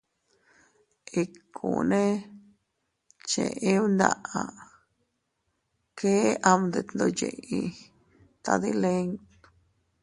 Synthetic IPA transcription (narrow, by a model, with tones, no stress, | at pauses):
i˧kʰṵ˨nẽ˦ | t͡ʃḛ̃˨ʔẽ˦nd̪a̰˦˧ʔa˧ | kʰe˦ʔa˧md̪e˧˨t̪nd̪o˧jḛ˨ʔĩ˧ | t̪a˧ði˦le˦ŋ